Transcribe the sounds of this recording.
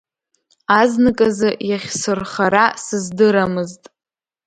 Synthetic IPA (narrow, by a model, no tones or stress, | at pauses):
aznɨkʼazɨjaχʲsɨrχaɾasɨzdɨɾamɨztʼ